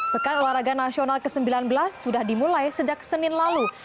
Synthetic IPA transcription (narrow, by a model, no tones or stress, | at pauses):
b̥əkanlaɾaɡanasionalkəsəmbilanbəlasːudahdimulajsəd͡ʒak̚sənɪnlalu